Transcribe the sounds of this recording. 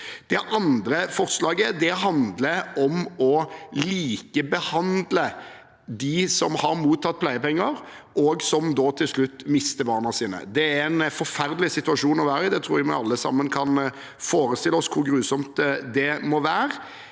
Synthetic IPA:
d̪̥ɛʔɑnd̪ɾəfɔɾtslɑːɡəd̪ɛɦɑnd̪ləɾɔmɔliːkəbəhɑnd̪lə | d̪ɪsɔmhɑɾmuːt̪ʰːɑt̪̚ːpʰlæɪəpɛŋːəɾʔɔɡsɔmd̪oːt̪ʰɪlslʉt̪ːmɪst̪əbɑːnɑsiːnə̰d̪ɛæɾɛnfɔɾfæɾd̪əlɪsɪt̪ʉɑʂuːnɔʋæːɾəɪd̪ɛt̪ʰɾuːɾɪmɑ̰ɑlːəsɑ̰mːənkʰɑn | foːɾəst̪ɪləɔskʰʊɾɡɾʉːsɔmt̪d̪ɛmɔʋæːɾ

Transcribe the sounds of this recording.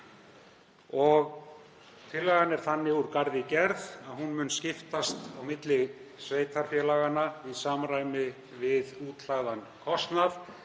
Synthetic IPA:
ɔɣ | t̪ʰɪlːɛɣanɛɾ̥θanːɪuɾkaɾðɪcɛɾðaðhunmʏnscɪft̪ast̪awmɪt̪lɪsveːjt̪aɾ̥fjɛlaɣanːaisaːmɾaːjmɪ | vɪðuːt̪laɣðankʰɔst̪naθ

